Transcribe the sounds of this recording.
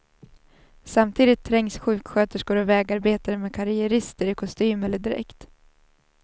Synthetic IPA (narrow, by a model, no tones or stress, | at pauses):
samt̪ʰiːd̪ɪt̪ʰːɾɛŋsɧʉ̟ːkɧøːt̪əʂɡoːɾɔvɛːɡaɾbeːt̪aɾmɛkʰaɾɪjɛɾɪst̪əɾɪkʰɔst̪yːmɛlːəɖɪɾɛ̰kt̪